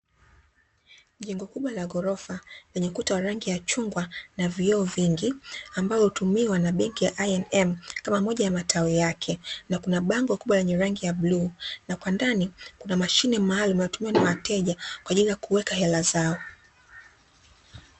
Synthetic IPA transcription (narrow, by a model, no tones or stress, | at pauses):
ʄɛŋɡɔkuɓwalaɡɔɾɔfalɛɲɛukutawaɾaŋɡijat͡ʃuŋɡwanaviɔɔviŋɡiambalɔhutumiwanaɓɛŋkijaʔaɛnɛmkamamɔʄajamatʰaijakʰɛnakunaɓaŋɡɔkuɓwalɛɲɛɾaŋɡijablunakwandanikunamaʃinɛmaːlumjatumiwanawatɛʄakwaʄilijakuwɛkahɛlazaɔ